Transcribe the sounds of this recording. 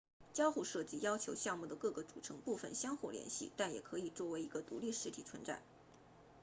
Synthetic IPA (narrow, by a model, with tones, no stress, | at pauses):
t͡ɕjɑ˥ʊxu˥˧ʂɤ˥˧˩t͡ɕi˥jɑ˥ʊt͡ɕʰjo˧˥ʊɕjɑ˥˧ŋmu˥˩d̪ə˩kɤ˥˩ɡə˩ʈ͡ʂu˨˩ʈ͡ʂʰɤ˧˥ŋpu˥˩fə̰˨˩nɕjɑ˥ŋxu˥˩ljɛ̰˧˥nɕḭ˥˩t̪a˥˩njɛ̰˨˩kʰɤ˧˥i˨˩t͡swɔ˥˩we˧˥ɪi˧˥ɡə˧t̪ṵ˧˥li˥˩ʂɻ̩˧˥t̪ʰi˨˩t͡sʰwə˧˥nt͡sa̰˨˩˦